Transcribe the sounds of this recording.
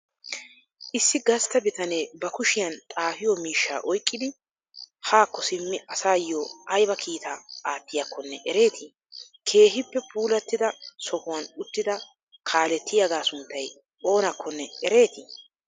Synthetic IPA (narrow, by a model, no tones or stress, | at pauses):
ʔɪsːɪɡɐst̪ːɐbɪt̪ɐneːbɐkʊʃɪjɐnt̪ʼaːfɪjɔmiːʃːa̰ːʔɔjkʼːɪd̪ɪ | haːkːɔsɪmːɪɐsaːjːoʔɐjbɐkʰiːt̪aaːt̪ːɪjɐkʰːɔnːɛʔɛɾe̞ːt̪ʰɪ | kʰe̞ːɦɪpːɛpʰuːlɐt̪ːɪd̪ɐsɔhʊwɐnʊt̪ːɪd̪ɐ | kʰaːlɛt̪ːɪjaɡaːsʊnt̪ːɐj | ʔo̞ːnɐkʰːɔnːɛɛɾe̞ːt̪ɪ